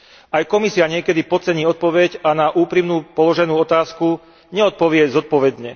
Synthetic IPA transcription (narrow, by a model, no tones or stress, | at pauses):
ajkɔmisiaɲɪɛkɛd̪ipɔt͡sɛɲiːɔt̪̚pɔʋɛɟanaʔuːpɾimnuːpɔlɔʒɛnuːɔt̪aːsku | ɲɛɔt̪̚pɔʋɪɛzɔt̪̚pɔʋɛd̪ɲɛ